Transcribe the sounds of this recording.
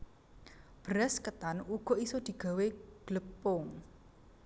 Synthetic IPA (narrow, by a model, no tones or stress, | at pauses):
b̥ɾɛskət̪anuɡ̥ɔ̤isod̪̥i̤ɡ̥a̤weɡ̥ləpʊŋ